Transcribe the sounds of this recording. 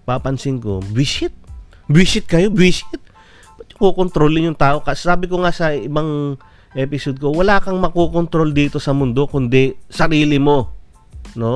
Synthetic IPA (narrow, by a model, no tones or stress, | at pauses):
paːpɐnsɪŋko̞bɪsɪt̪̚ | bɪʃɪt̪̚kɐjobiʃɪt̪̚ | pɐt̪̚ʊŋkokont̪ɾoːlɪŋjʊŋt̪aːʔo̞kɐsaːbɪkoŋasɐɪbaŋ | ʔɛːpɪsod̪̚kowɐlaːkɐŋmɐkokont̪ɾo̞ld̪iːt̪o̞sɐmʊnd̪o̞kʊnd̪ɛsɐɾiːlɪmo̞ | no̞